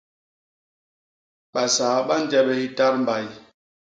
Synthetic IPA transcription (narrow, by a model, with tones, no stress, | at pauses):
ɓa˨saː˨˦ɓa˦n˦d͡ʒɛ˦ɓɛ˦hi˦ta˦ɾm˨ba˨j